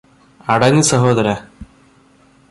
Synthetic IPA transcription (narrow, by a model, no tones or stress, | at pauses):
ɐɽɐŋːɨsɐɦoːd̪ɐɾɐ